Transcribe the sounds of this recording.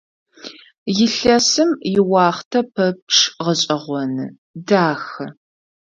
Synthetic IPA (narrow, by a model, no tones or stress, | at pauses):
jɪɬɐsɨmjɪwɑːχtʰɐpʰɐp̚ʈ͡ʂʰʁəɕʼɪʁʷɔnɨ | daːxɨ